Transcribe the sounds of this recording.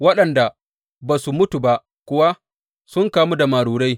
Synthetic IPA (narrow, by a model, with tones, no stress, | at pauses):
wɐ˦ɗɐ˨nda˨ | baː˨su˨mʊ˦tu˨ba˦ʔ | kʷʊ˦wa˦ | sʊ˦ŋkaː˦mu˦da˨maː˨ɽuː˨ɽa˦j